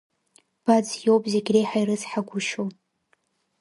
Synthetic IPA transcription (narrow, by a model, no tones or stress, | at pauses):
b̥ad͡zjowpʼzeɡʲrejħajrɨzħaɡʷʊʃo